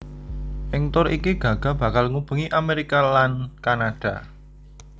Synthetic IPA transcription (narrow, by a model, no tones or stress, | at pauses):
ʔɪŋt̪ʊɾʔikiɡ̥a̤ɡ̥ä̤b̥ä̤kalŋub̥əŋiʔameɾikalankanaɖ̥a̤̰